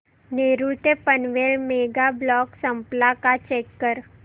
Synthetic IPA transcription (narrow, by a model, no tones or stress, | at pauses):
neːɾuʈepənʋeːɭmeːɡablɔːksəmplakat͡ʃeːkːəɾ